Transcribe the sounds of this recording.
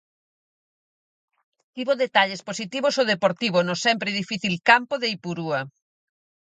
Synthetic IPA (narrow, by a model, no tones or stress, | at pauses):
t̪iβoðet̪aʎesposit̪iβosoðepoɾt̪iβonosɛmpɾeðifiθilkampoðeipuɾuɐ